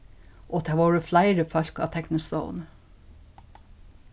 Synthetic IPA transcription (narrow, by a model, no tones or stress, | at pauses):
ʔoːd̪ʰæːʋɑːɹəflæɪɾəfɑʎkɑ̰ːt̪ʰɛknɔst̪o̰ʊn